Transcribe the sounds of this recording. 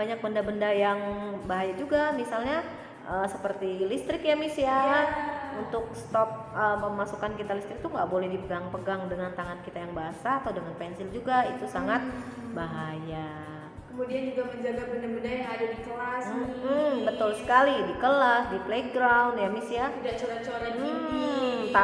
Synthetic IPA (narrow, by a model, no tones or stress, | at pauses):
baɲak̚bəndabəndajaŋbaɦajad͡ʒuɡamisalɲa | ʔəːsəpərt̪ilist̪ɾɪkjamisia | unt̪ʊk̚st̪ɔp̚əpəmasukankit̪alist̪ɾɪk̚t̪uŋɡaʔbolɛhdipəɡaŋpəɡaŋdəŋant̪aŋankit̪ajaŋbaɦasaːt̪awdəŋanpɛnsɪld͡ʒuɡait̪usaŋat̪̚ | baɦaja | kəmudiand͡ʒuɡaməɲd͡ʒaɡabənarbənajaŋadadikəlasm̩bət̪ʊlsə̥kalidikəlasdipleɡɾawunjamisiaidt͡ʃuɾat͡ʃoɾai | t̪a